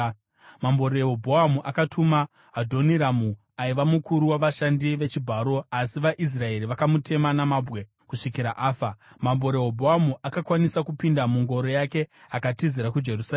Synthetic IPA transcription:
mambo̞ɾeɦobʱoamuʔakatuma | ɦadʱo̞niɾamu | aiʋamukʰuɾuwaʋaʃandiʋe̞t͡ʃibʱaːɾo̞asiʋaʔis̬rae̞ɾiʋakamutʰe̞manamabʱwe̞ | kuʂikiɾaʔaːfa | mambo̞ɾe̞ɦobʱoamuʔakakwanisakupindamuŋɡo̞ɾo̞jake̞akatiziɾakud͡ʒe̞rusa

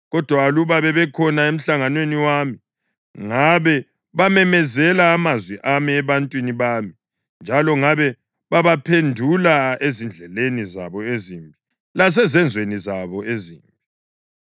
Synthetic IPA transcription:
ɣɔd̥ʱwaːluβaβɛβɛkʰɔnaem̩ɬaŋanweniwami | ŋaβɛ | βamɛmɛzɛlaːmazwiʔamiɛβantʼwiniβaːmi | nd͡ʒʱalɔŋaβɛ | βaβapʰendʱulaezind͡ɮʱɛleniza̰βɔeziːmbʱi | las̬ɛzɛnd͡zʱwenizaβɔeziːmbʱi

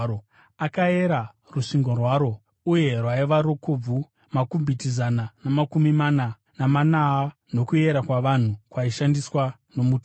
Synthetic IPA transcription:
o | akae̞ɾa | ruʂiŋɡorwaɾo̞ | uje̞rwaiʋaɾo̞kob͡vu | makumbʱitizananamakumimana | namanaːno̞kue̞ɾakwaʋan̤ukwaiʃandiswa | no̞muːto

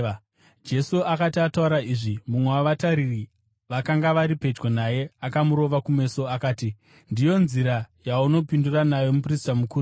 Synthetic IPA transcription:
d͡ʒe̞suakatiatauɾaiʐimumweaʋataɾiri | ʋakaŋɡaʋaɾipe̞t͡ʃɡonaje̞akamuɾo̞ʋakume̞so̞akaːti | ndijo̞nziɾajauno̞pinduranajo̞mupristamukuːɾ

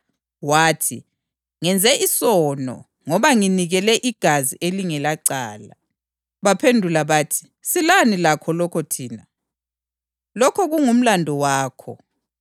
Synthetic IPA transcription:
waːtʰi | ŋɛnd͡zʱɛʔisɔnɔ̰ | ŋɔβaŋiniɣɛlɛʔiɡ̥ʱaziʔeliŋɛlaǀa̰ːla̰ | βapʰendʱulaβaːtʰi̥ | silanilakʰɔlɔkʰɔtʰiːna | lɔkʰɔɣuŋum̩landʱɔwaːkʰɔ̰

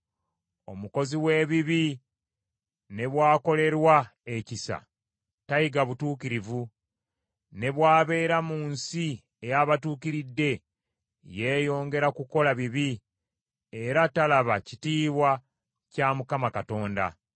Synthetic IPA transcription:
o̞muko̞ziwe̞ːβiβi | ne̞βwaːko̞le̞ɾwae̞cisa̰ | tajiɡaβutuːkiɾivu | ne̞βwaːβe̞ːɾamuːnsi | ejaβatuːkiɾidːe̞ | je̞ːjo̞ːŋɡe̞ɾakuko̞laβiβi | e̞ɾatalaβacitiːβwa | caːmukamakato̞ːnda̰

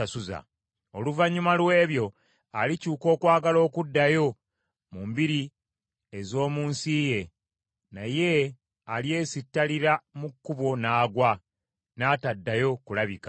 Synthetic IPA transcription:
asuza̰ | o̞luvaɲːumalwe̞ːβjo̞ | alicuːko̞ːkwaːɡalo̞ːkudːajo̞ | mumbiɾi | ezo̞ːmuːnsije̞ | naje̞ | alje̞ːsitːaliɾamukːuβo̞naːɡwa | naːtadːajo̞kulaβika

